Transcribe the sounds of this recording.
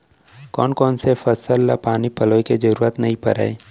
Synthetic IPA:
kɔːnkɔːnsefɐsəlːa̰paːnipɐloːeked͡ʒɐɾuːɾət̪nɐɦĩpɐ̰ɾa̰e

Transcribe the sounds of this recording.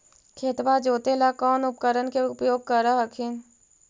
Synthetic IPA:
kʰeːt̪ʋad͡ʒoːt̪elakɔːnʊp̚kəɾənkeʊpjoːɡ̚kəɾaɦəkʰɪn

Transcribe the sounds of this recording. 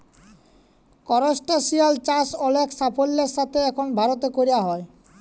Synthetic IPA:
kɔɾosʈasialt͡ɕasɔlekʰsapʰolːeɾʃat̪ʰeɛkʰonbʱaɾot̪̬ekoɾiaɦɔe

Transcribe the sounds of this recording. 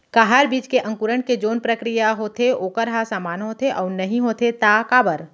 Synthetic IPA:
kaɦaːɾbiːd͡ʒkeʔɐ̃ŋkuɾəɳked͡ʒoːnpɾəkɾijaɦoːt̪ʰeoːkəɾɦasaːmaːnɦoːt̪ʰeʔɔːɾnɐɦĩɦoːt̪ʰet̪akaːbəɾ

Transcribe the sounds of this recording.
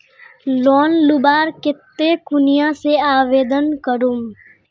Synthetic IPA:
lɔːnlʊbaːɾkɪt̪ːekʊnɪjãseaːʋeːd̪ənkəɾum

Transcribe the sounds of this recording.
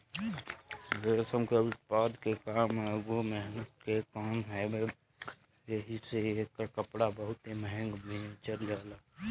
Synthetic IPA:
ʋesəmkəɪtpaːd̪kekaːmɡomɛɦnət̪̚kekaːmɦɛ | jeɦiseekakəpɽabəɦʊt̪eməɦə̃ŋɡmet͡ʃəld͡ʒaːlaː

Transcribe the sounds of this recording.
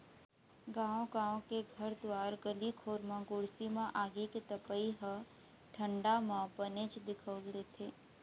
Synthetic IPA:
ɡãːõɡãːõkeɡʱɐɾd̪ʋaːɾɡəlikʰoːɾmãɡʊɽsimãʔaːɡiket̪əpəiɦə | ʈʰə̃ɳɖamãbənet͡ʃd̪ɪkʰəɡd̪eːt̪ʰeː

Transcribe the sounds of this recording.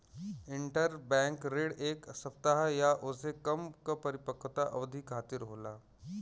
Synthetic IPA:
ɪɳʈəɾbɛ̃ːŋkɾeːɽeːksɐpt̪aɦajaʔʊsekɐmkapɐɾɪpəkt̪aʔɐʋd̪ʱikʰaːt̪ɪɾɦoːlaː

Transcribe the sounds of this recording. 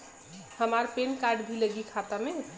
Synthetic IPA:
həmaɾpenkaɖbʱiləɡikʰat̪ame

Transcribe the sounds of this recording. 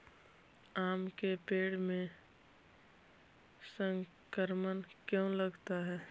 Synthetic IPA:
aːmkepeːɽmẽ | sə̃ŋ | kəɾmənkjõləɡt̪aɦɛː

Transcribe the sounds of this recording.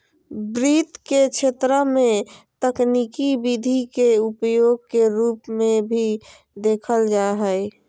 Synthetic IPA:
bɾit̪ket͡ʃʰet̪ɾəmẽt̪əknikibid̪ʱikeupjoːɡ̚keɾuːpmẽbʱi | d̪eːkʰəld͡ʒaɦəe

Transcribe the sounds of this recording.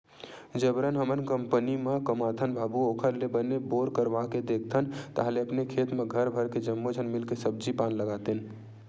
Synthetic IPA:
d͡ʒəbɾənɦəmənkəmpənimekəmat̪ʰənbʱabuokʰəɾlebəneboɾkəɾʋaked̪ek̚ʰt̪ʰənt̪əɦəleəpnekʰet̪meɡʱəɾbʱəɾked͡ʒəmːod͡ʒʱənmilkesəb̚d͡ʒipanləɡat̪en

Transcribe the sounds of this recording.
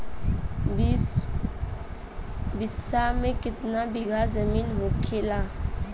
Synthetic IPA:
bɪsamẽkɪt̪nabɪɡʱazəmiːnɦokʰelaː

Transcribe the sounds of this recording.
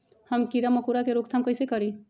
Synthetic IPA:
həmkiɾaməkuɾakeɾokt̪ʰamkəjsekəɾi

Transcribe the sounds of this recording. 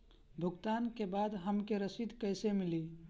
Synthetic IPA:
bʱuɡt̪ankebad̪ɦəmkeɾəsid̪ʱkəjsemili

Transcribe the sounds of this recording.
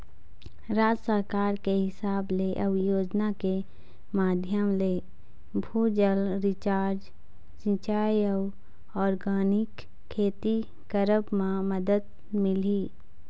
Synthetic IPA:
ɾaːd͡ʒsəɾkaːɾkeɦɪsaːbleʔɐʋjoːd͡ʒnake | maːd̪ʱjəmleː | bʱuːd͡ʒəlɾɪt͡ʃaːɾd͡ʒ | sɪ̃t͡ʃaːjəw | ɔːɾɡaːnɪkʰː | eːt̪i | kəɾəbmãməd̪əd̪̚ | mɪliː

